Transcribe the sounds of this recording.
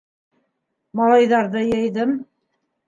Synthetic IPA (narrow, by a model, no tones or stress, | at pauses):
mɑlˠɑjðɑɾðɤjɤ̆jðɤm